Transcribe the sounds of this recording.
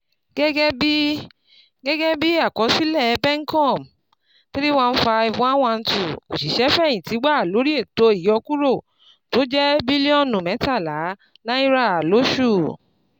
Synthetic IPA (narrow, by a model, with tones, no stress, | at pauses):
ɡ̥ɛ˦ɡɛ˦bi˦ | ɡɛ˦ɡɛ˦bi˦a˦˨kɔ˨˦si˦lɛ˦˨˧bɛ˦ŋ˦kɔ̃˦˨m | ti˦ɾi˦wã˦˧n̩˦fa˧i˧vũ˧˦a˦w̃ã˧n̩˦tu˨o̰˨ʃi˨ʃɛ˨˦fɛ̃˦˨ĩ˨ti˨˦ɡ͡ba˦a˨lo˨˦ɾi˦e˦˨to˧˦i˦˨jɔ˧ku˦ɾo˦˨ | to˨˦d͡ʒɛ˦bi˦li˦ɔ̃˦˨nũ˨mɛ˨˦ta˦˨la˨˦ | nã˦i˦ɾa˦˨a˨lo˨˦ʃu˦˨